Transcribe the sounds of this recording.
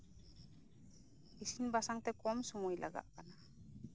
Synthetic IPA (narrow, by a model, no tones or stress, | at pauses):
isinbasaŋt̪ɛkɔmsɔmujlʔa̰ɡa̰ʔkana